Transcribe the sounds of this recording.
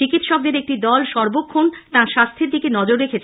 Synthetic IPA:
t͡ɕikit̪ʃɔk̚d̪eɾek̚ʈid̪ɔlʃɔɾbokʰːont̪ãʃast̪ʰiɾd̪ikenɔd͡ʑoɾɾekʰet͡ɕʰ

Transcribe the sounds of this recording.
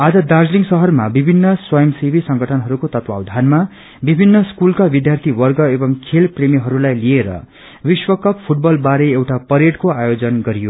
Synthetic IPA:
ad͡zʌd̪ard͡zliŋɡsʌɦʌrmabibʱinːʌswʌjʌmsibʱisʌŋɡʱʌʈʰʌnɦʌɾukot̪ʌt̪wawd̪ʱanma | bibʱinːʌskulkabid̪jart̪ʰiwʌrɡʌebʌŋkʰelpremiɦʌɾulajlieɾʌ̰ | biswʌkʌppʰuʈ̚bʌlbaɾeewʈapʌɾeɽkoajod͡zʌnɡʌɾijo

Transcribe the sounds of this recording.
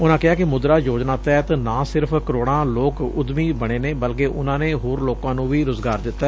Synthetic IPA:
ʊnãːkɪɦaːkɪmʊd̪ɾaːjoːd͡ʒnaːt̪ɛɛt̪anãːsɪɾpʰkəɾoːɽ̃ãːloːkʊd̪miːbəɽ̃eːneːbəlkeːʔʊnãːneːɦoːɾloːkãːnũːʋiːɾʊzɡaːɾd̪ɪt̪ːaɛ

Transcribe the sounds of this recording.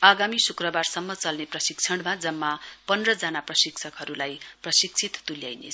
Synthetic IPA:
aɡamisukrʌbarsʌmːʌt͡sʌlneprʌsik̚t͡sʰʌɽmad͡zʌmːapʌnrʌd͡zanaprʌsikt͡sʰʌkɦʌɾulajprʌsik̚t͡sʰit̪t̪uljajnḛt͡sʰ

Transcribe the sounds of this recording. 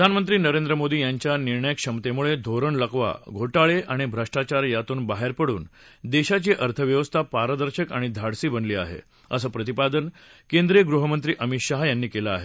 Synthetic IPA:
pəd̪ʱanmənt̪ɾiːnəɾend̪ɾəmod̪iːjaɲt͡ɕjaniɾɳəjəkɕəmt̪emuɭed̪ʱoɾəɳləkʋa̰ɡʱoʈaɭeʔaɽ̃ibʱɾəʂʈat͡ɕaɾjat̪uːnbaɦeɾpəɽṵːnd̪eɕat͡ɕiːʔəɾt̪ʰəʋjəʋəst̪ʰapaɾəd̪əɾɕəkaɽ̃id̪ʱaɽsiːbənliːa̰ɦḛ | əsəːpɾət̪ipad̪ən | kend̪ɾeɡɾuɦəmənt̪ɾiːʔəmit̪ɕaɦjanːiːkelaːɦe

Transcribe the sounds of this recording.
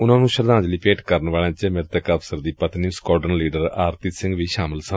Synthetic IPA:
ʊnãːnũːʃəɾd̪ãːd͡ʒliːpeːʈkəɾənʋaːlãːt͡ʃmɪːɾt̪əkːəpʰsəɾd̪iːpət̪niːskɔːʈənliːɖəɾaːɾt̪iːsɪ̃ŋɡʋiːʃaːmɪlsən

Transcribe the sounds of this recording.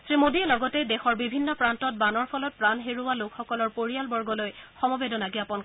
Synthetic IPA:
sɹimodiɛlɔɡɔtɛdɛxɔɹbibʱinːɔpɹantɔt̚banɔɹpʰɔlɔt̚pɹanɦeɹuwalokxɔkɔlɔɹpoɹijalbɔɹɡɔlojxɔmɔbedɔnaɡiapɔn

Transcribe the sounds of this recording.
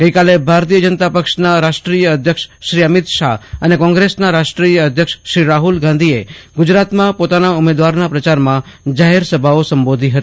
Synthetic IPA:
ɡ̥əikalebʱaɾt̪ijəd͡ʒənt̪apəkʃnaɾaʃʈɾijəːd̪ʱjəkʃʃɾiəmɪt̪ʃaənekɔ̃ŋɡɾesnaɾaʃʈɾijəəd̪ʱjəkʃʃɾiɾaɦulɡãnd̪ʱieɡʊd͡ʒɾat̪mãpot̪anaʊmed̪ʋaɾnapɾət͡ʃaɾmã | d͡ʒaɦeɾsəbʱaosəmbod̪ʱiɦət̪i

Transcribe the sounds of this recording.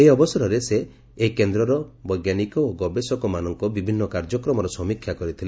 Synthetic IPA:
eiɔbɔsɔɾɔɾeseː | ikend̪ɾɔɾɔbɔjɡanikɔoɡɔbesɔkɔmanɔŋkɔbibʱinːɔkaɾd͡ʒɔkɾɔmɔɾɔsɔmikʰjakɔɾit̪ʰile

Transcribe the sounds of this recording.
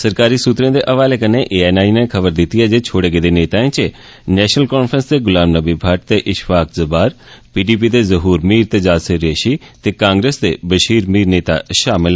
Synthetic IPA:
səɾkaːɾiːsut̪ɾẽːd̪eːʔəʋaːleːkəneːʔeːɛːnaːinẽːkʰəbəɾd̪ɪt̪iɛːd͡ʒeːt͡ʃʰoːɽeːɡeːd̪eːneːt̪aːẽːt͡ʃe | nɛːʃnəlkɔːnpʰɾənsd̪eːɡʊlãːmnəbiːbʱəʈ̚t̪eːʔɪʃfaːkzəbaːɾpiːɖiːp̬iːd̪eːzəɦuːɾmiːɾt̪ed͡ʒaːsɪɾeːʃiːt̪eːkãːŋɡɾeːsd̪ḛːbəʃiːɾmiːɾneːt̪a̰ːʃaːmɪl

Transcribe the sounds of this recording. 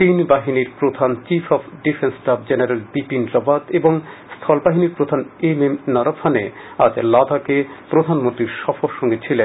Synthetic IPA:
t̪inbaɦiniɾpɾod̪ʱant͡ɕifʰɔfɖifʰensʈab̚d͡ʑeneɾelbipinɾɔbat̪eboŋst̪ʰɔlbaɦiniɾpɾod̪ʱanememnɔɾabʰane | ad͡ʑlad̪akepɾod̪ʱanmõnt̪ɾiɾʃɔfʰoɾʃɔŋɡet͡ɕʰile

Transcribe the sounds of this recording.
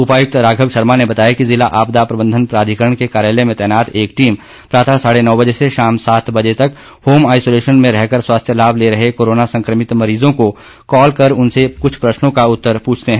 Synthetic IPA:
ʊpaːjʊk̚t̪ɾaːɡʱəʋʃɐɾmanebɐt̪aːjakizɪlaʔaːpd̪apɾɐbə̃nd̪ʱənpɾaːd̪ʱikəɾəɳ̃kekaːɾjaːlemẽt̪ɛːnaːt̪eːkʈiːm | pɾaːt̪ʰasaːɽenɔːbɐd͡ʒeseʃaːmsaːt̪ʰbɐd͡ʒet̪ɐk | hoːmaːɪsoːleːʃənmẽɾɛɦkəɾswaːst̪ʰjəlaːbʱleɾɐɦekoːɾoːnasɐ̃ŋkɾəmɪt̪mɐɾiːzõko | kɔːlkɐɾʊnsekʊt͡ʃʰpɾɐʃnõkaʊt̪ːəɾpuːt͡ʃʰt̪eɦɛ̃ː

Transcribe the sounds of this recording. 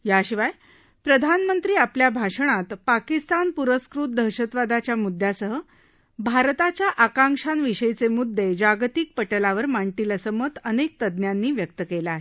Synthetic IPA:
ɦjaɕiʋaj | pɾəd̪ʱanmənt̪ɾiːapljabʱaʂəɽ̃at̪pakist̪anpuɾəskɾut̪̚d̪ʱəɾɕət̪ʋad̪at͡ɕjamud̪ʱːjasəɦə | bʱaɾt̪at͡ɕjaʔakãŋkʂanʋiɕəjt͡semud̪ʱːed͡ʑaɡt̪ik̚pəʈəlaʋəɾmaɳʈiləsəmət̪ənek̚t̪əd̪njanːiːʋjək̚t̪əkelaaɦe

